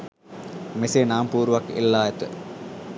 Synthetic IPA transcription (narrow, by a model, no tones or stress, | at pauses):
mesenaːmpuːɾʋɐkḛlːaːet̪ə̰